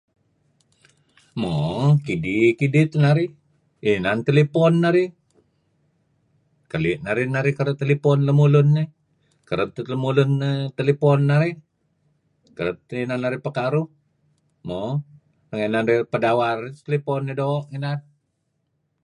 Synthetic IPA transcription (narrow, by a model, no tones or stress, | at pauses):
mokidikidit̪naɾi | inant̪əlipɔnːaɾi | kəlɪʔnaɾinaɾikəɾət̪əlipɔnləmulʊnːe | kəɾəp̚t̪ələmulʊnt̪əlipɔnːaɾi | kəɾəp̚t̪inanːaɾipəkaɾu | mo | əŋenanɾipədawart̪əlipɔnːedoʔŋenan